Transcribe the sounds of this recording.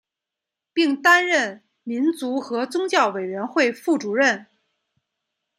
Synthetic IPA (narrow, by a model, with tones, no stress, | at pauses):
pi˥˩ŋt̪a˥nɻə˥˩n | mi˧˥nt͡su˧˥xɤ˧˥t͡sʊ˥ŋt͡ɕjɑ˥˩ʊwe˨˩ɪɥɛ˧˥nxwe˥˧ɪfu˥˩ʈ͡ʂu˨˩ɻə˥˩n